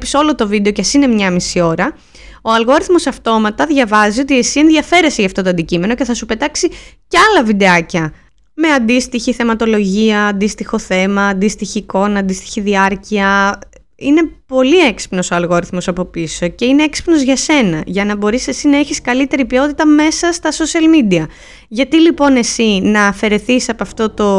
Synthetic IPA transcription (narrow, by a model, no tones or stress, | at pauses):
piso̞lo̞t̪o̞vid̪e̞o̞cɐsine̞mɲɐmisio̞ɾɐ | oɐlɣo̞ɾiθmo̞sɐft̪o̞mɐt̪ɐðʝɐvɐziot̪iesie̞nðʝɐfe̞ɾe̞seʝɐft̪o̞t̪oɐnd̪icime̞no̞ce̞θɐsupe̞t̪ɐksicɐlɐvid̪e̞ɐcɐ | me̞ɐnd̪ist̪içiθe̞mɐt̪o̞lo̞ʝiɐːnd̪ist̪ixo̞θe̞mɐːnd̪ist̪içiːko̞nɐnd̪ist̪i̥çiðiɐɾciɐ | ine̞po̞lieksi̥pno̞soɐlɣo̞ɾiθmo̞sɐpo̞piso̞ce̞ine̞eksi̥pno̞zʝɐse̞nɐʝɐnɐbo̞ɾise̞sinɐe̞çiskɐlit̪e̞ɾipio̞t̪it̪ɐme̞sɐst̪ɐso̞siɐlmid̪iɐ | ʝɐt̪ilipo̞ne̞sinɐːfe̞ɾe̞θisɐpoɐft̪o̞t̪o̞